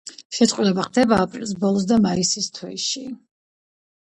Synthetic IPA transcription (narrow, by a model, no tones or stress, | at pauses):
ʃɛt̪sʼwilɛbaχd̪ɛbaːpʼɾḭlˠs̬bɔlˠɔs̬d̪amaisist̪ʰwɛʃi